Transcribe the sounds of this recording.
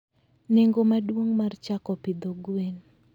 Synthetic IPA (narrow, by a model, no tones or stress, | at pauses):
neŋɡomadwoŋmart͡ʃakɔpid̪oɡwen